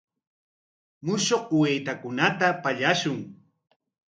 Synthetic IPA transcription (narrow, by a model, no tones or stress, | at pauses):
mʊʃoqwejt̪akʊnat̪apaʎaʃʊŋ